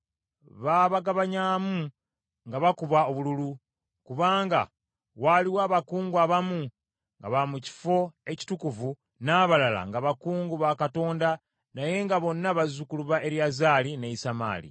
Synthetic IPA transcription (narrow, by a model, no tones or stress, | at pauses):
βaβaɡaβaɲaːmu | ŋɡaβakuβao̞βululu | kuβaːŋɡa̰ | waliwaːβakuːŋɡwaβamu | ŋɡa̰βamuci̥fo̞e̞ci̥tukuvu | naβalala̰ŋɡaβakuːŋɡuβakato̞ːnda | naje̞ŋɡaβo̞nːaβazukuluβaʔe̞ɾjazaːlineisama̰ːlḭ